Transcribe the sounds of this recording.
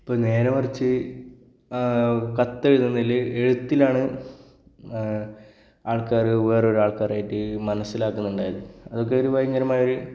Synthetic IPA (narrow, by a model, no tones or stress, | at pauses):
ipːoːɭne̞ːɾɐmɐrit͡ɕːɨ | kɐt̪ːeɻut̪ːɐnːilːɨe̞ɻut̪ːilaːɳɨ | aːɭkaːrɨʋe̞ːro̞ɾuaːɭkaːraːjiʈːɨmɐnɐsːilaːkːunːuɳɖaːjɐðɨɐðo̞k̬ːe̞o̞ɾuʋɐjɐŋːɐɾɐmaːjoɾu